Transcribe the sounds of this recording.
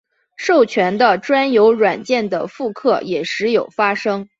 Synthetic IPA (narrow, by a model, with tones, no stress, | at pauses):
ʂo˥˩ʊt͡ɕʰɥɛ˧˥nd̪ə˧ʈ͡ʂwa˥njo˧˥ʊɻwa˨˩nt͡ɕjɛ˥˩nd̪ə̰˩fu˥˧kʰɤ˥˩jɛ˨˩ʂɻ̩˧˥jo˨˩ʊfa˥ʂɤ˥ŋ